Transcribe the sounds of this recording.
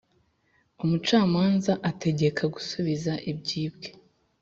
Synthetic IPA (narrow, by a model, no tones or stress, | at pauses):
umut͡ʃaːmaːnzaʔate̞ɟe̞kʰaɡusuβizaʔib̚ɟiːb̚ɡe̞